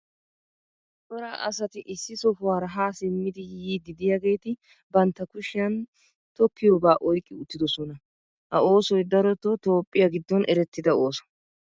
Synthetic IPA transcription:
tʼɔɾaːʔɐ̰sɐt̪ɪʔɪsːɪsɔfʊwaːɾɐɦaːsɪmːɪd̪ɪjiːd̪ɪd̪ɪjɐɡe̞ːt̪ɪ | bɐnt̪ːɐkʊʃɪjɐn | t̪ɔkːɪjobaːʔɔjkʼːɪʊt̪ːɪd̪ɔsɔnɐ | hɐoːsɔjd̪ɐɾɔt̪ːɔt̪o̞ːpʼːɪjaɡɪd̪ːɔnʔɛɾɛt̪ːɪd̪ɐoːsɔ̥

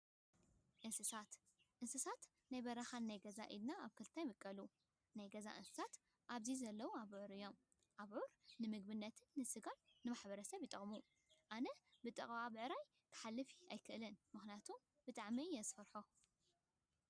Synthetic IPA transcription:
ʔɨnsɨsat̪ | ʔɨnsɨsat̪ | najbɐɾɐxanːajɡɐza̰ʔḭd̪naaβkʰɨlt̪ʰajmɨkʼːɐlu | najɡɐza̰ʔɨ̰nsɨ̥sat̪ | ʔaβzizɐlːɐwuaβʕuɾɨjːo̞m | ʔaβʕuɾnɨmɨɡ̚bɨnːɐt̪ʰɨnːɨsɨɡanːɨmaħbɐɾɐsɐβjit̪ʼɐχʼmu | ʔanɐbɨt̪ʼɐχʼβaβʕɾaj | t̪ʰɐ̥ħalːɨfiajkʰɨʔlɨnmɨxnijat̪ʰum | b̥ɨt̪ʼaʕmijɛzɨfɐɾħo

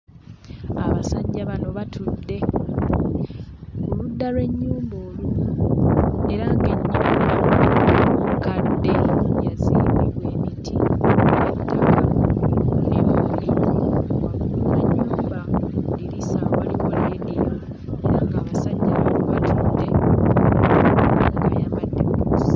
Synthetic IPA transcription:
aβasaɲɟaβano̞βatʰudːe̞ | ɡuludːalwe̞ɲːuːmboːluna | e̞ɾaŋɡe̞ɲːuːbamukadːe̞muɲezineβwe̞ːmitieutʰːakaβuneloβulimaulunaɲːuːmbaouudiɾisaːoβalikoleːdila | eɾaːŋɡaːβasaɲːaaluβatudːe | ŋɡajaːmbadːemuuus

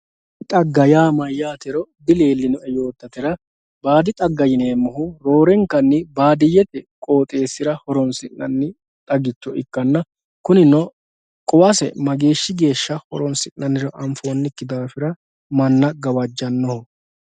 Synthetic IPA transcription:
t̪ʼɐɡːɐjaːmɐjːaːt̪ɛɾɔd̪ɪle̞ːlːɪnɔʔɛjo̞ːt̪ːɐt̪ɪɾɐ | baːd̪ɪt̪ʼɐɡːɐjɪneːmːʊɦʊɾo̞ːɾɛŋkːɐnːɪbaːd̪ɪjːɛt̪ɛkʼo̞ːt̪ʼe̞ːsːɪɾɐhɔɾɔnsɪnːɐnːɪ | t̪ʼɐɡɪt͡ʃːɔʔɪkːɐnːɐ | kʊnɪnɔ | kʼɔwɐsɛ̰mɐɡe̞ːʃːɪɡe̞ːʃːɐhɔɾɔnsɪnːɐnːɪɾɔʔɐɱfo̞ːnːɪkːɪd̪aːfɪɾɐ | mɐnːɐɡɐwɐd͡ʒːɐnːɔhʊ

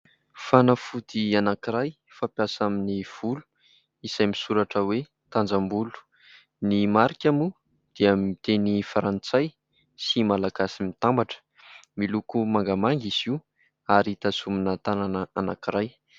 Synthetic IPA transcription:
fanəfud̪ianakiɾaj | fapjasaminiv̥ulu̥ | isajmisuɾaʈ͡ʂəwe | t̪and͡zambulu̥ | nimaɾikʲamu | d̪̥iəmit̪enifaɾant͡saj | simalaɡasimit̪ambaʈ͡ʂə̥ | milukumaŋɡamaŋɡiz̥iw | aɾit̪azuminət̪ananəanakiɾaj

